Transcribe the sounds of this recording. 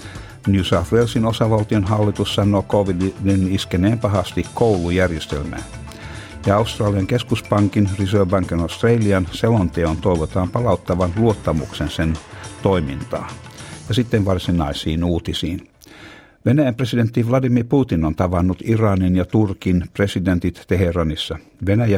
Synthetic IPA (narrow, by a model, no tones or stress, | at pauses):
njusɑfʋelsinosɑʋɑlt̪ionɦɑlːit̪ussɑnːˑoːkoʋiddiniskeneːmpɑɦɑst̪ikkouwlujærjest̪ḛlmæ̰ːn | jɑɑust̪rɑːliɑŋke̞skuspɑŋkinrisøːbɑŋkinost̪reliɑnselont̪eont̪o̞iʋot̪ɑːmpɑlɑut̪ːɑʋɑnluot̪ːɑmuksensent̪oimint̪ɑ̰ːjɑsit̪ːenʋɑrsinɑisiːnuːt̪isiːn | ʋenæjæmpresident̪ːiʋlɑdimirput̪inont̪ɑʋɑnːut̪irɑninjɑt̪urkinpre̞sident̪it̪t̪e̞herɑnisːɑʋenæjæ